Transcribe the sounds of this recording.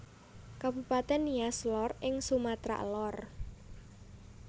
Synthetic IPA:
kab̥upat̪ɛnːiaslɔrɪŋsumat̪ɾa̰ʔlɔr

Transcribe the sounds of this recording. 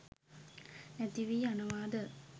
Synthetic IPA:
nɛt̪iʋiːanəʋaːd̪ə

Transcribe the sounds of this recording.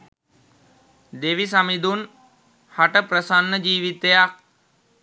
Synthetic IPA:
d̪eʋis̬amid̪un | haʈəpɾəsanːəd͡ʒiːʋit̪ejak̚

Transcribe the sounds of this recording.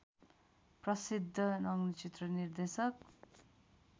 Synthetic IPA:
prʌsid̪ʱːʌnʌŋnit͡sit̪rʌnird̪esʌk̚

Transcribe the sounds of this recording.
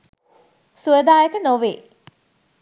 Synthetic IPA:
suəd̪aːjəkənoʋeː

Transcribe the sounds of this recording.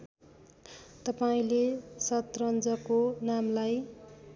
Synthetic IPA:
t̪ʌpaĩlesʌt̪rʌnd͡zʌkonamlaj

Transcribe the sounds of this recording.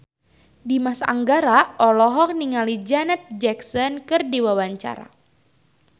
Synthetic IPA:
dimasa̰ŋɡaɾaɔlɔɦɔk̚niŋalid͡ʒanɛt̪̚d͡ʒɛksɔnkɨrdiwawaɲt͡ʃa̰ɾa̰

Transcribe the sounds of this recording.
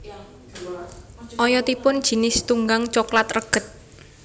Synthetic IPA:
ʔɔjɔt̪ipʊnd̥ʒ̥i̤nɪst̪uŋɡaŋt͡ʃɔklat̪rəɡ̥ə̤t̪̚

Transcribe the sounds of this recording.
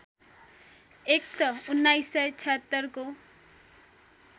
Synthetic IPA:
ek̚t̪ʌunːajsːʌjt͡sʰʌt̪ːʌrko

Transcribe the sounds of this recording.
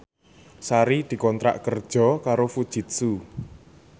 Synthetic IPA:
saɾid̪̥i̤kɔnt̪ɾa̰ʔkərd̥ʒ̥ɔ̤kaɾofud̥ʒ̥i̤t̪̚su

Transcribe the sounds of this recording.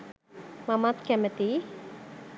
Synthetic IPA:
mamat̪kɛmət̪i

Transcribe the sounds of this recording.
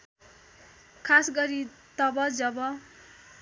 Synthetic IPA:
kʰasɡʌɾit̪ʌbʌd͡zʌbʌ

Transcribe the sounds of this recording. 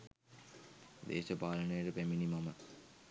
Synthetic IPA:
d̪ḛːʃəpaːlənəjəʈəpæminimamə

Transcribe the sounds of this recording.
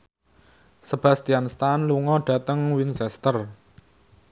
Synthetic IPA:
səb̥ä̤st̪ianst̪anluŋɔɖ̥ä̤t̪əŋwinsɛst̪ər

